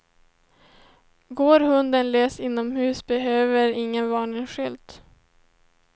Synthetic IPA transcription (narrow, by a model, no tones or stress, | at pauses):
ɡoːɾhɵnd̪ənleːsɪnːɔmhʉ̟ːsbɛɦøːvəɾɪŋːənvɑːɳɪŋɧʏlt̪